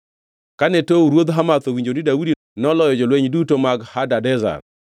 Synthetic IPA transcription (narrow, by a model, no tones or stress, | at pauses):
kanɛtouɾwod̪ɦamat̪owiɲd͡ʒonidawudi | nɔlɔjɔd͡ʒolweɲdutomaɡhadadɛza̰r